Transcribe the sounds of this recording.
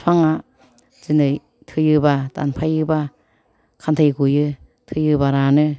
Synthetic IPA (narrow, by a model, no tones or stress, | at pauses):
sʰwaŋa | zɯnɯj | tʰɯjɯbada̰npʰajɯba | kʰantʰajɡujɯ | tʰɯjɯbaɾanɯ